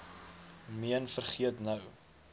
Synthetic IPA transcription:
miənfərχiətnəw

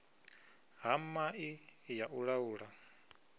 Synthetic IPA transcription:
ɦamaʔijaʔuɺauːɺa

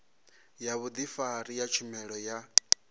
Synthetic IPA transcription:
jaβud̪ifaɾijat͡ʃʰumɛɺɔja

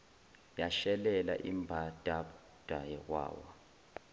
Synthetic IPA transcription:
jaʃɛlɛla̰ʔimbʱad̥ʱa | d̥ʱajɛkwa̰ːwa

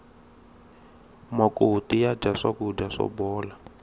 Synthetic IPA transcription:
makʼotijad͡ʒaʂakud͡ʒaʂɔ̰bɔːla

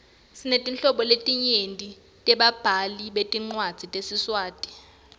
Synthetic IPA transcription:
sinetʼint͡ɬɬɔɓɔletʼiɲentʼi | tʼɛɓab̥ʱaliɓetʼiŋ͡ǀwad̥z̥ʱitʼesiswaːtʼi̥

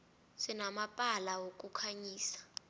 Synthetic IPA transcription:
sinamapʼalawok̬ʼukʰaɲiːsḁ

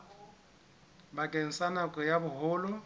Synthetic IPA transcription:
bakʼɛn̩sanakʼɔjabʊɦʊːlʊ

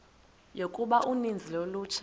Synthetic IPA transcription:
jokʼuɓaʔunind͡zʱiloluːt͡ʃʰḁ

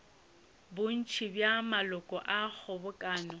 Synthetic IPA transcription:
bʊn̩t͡ʃʰibjamalɔkʼɔʔak͡xʰɔbʊkʼaːnɔ

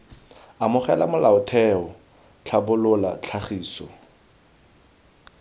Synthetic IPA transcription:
amʊχɛla̰mʊlaʊtʰɛɔ | t͡ɬʰabʊlʊla̰t͡ɬʰaχiːsɔ

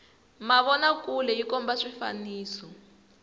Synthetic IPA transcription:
maβɔnakulɛjikɔmbaʂifa̰niːsɔ

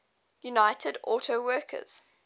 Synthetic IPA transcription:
junaɪtʰədɔːˑtʰəʊwɜˑkʰə̰z̥

